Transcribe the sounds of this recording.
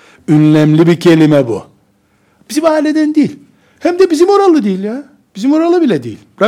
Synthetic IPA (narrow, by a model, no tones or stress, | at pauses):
ynlʲæmlʲibicʰe̞lʲimɛbṵ | b̥izimaːilʲed̪ænd̪ejilʲ | hæmd̪ɛbizimo̞ɾalˠɯd̪ejilʲja | b̥izimo̞ɾalˠɯbilʲɛd̪ejḭlʲbɾa